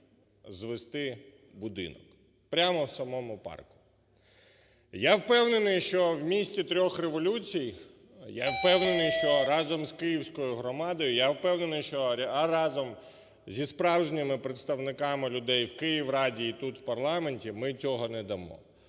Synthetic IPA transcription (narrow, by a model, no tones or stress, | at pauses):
zʋest̪ɪ | bʊd̪ɪ̰nɔ̰k | pɾʲamɔwsɐmɔmʊpɑ̰rkʊ̥ | jawpɛwnenɪjʃt͡ʃɔwmʲisʲtʲt͡sʲit̪ɾʲɔxreʋɔlʲut͡sʲij | jawpɛwnenɪjʃt͡ʃɔɾɑzɔmzkɪjiwsʲkɔjʊɦɾɔmɑd̪ɔjʊjawpɛwnenɪjʃt͡ʃɔrɑzɔm | zʲispɾɑwʒenʲɐmɪpɾet̪st̪ɐwnɪkɑmɪlʲʊd̪ɛjwkɪjiwrɑdʲiːt̪ut̪w̥pɐrlˠɑmenʲtʲimɪt͡sʲɔɦɔnɛd̪ɐmɔ̰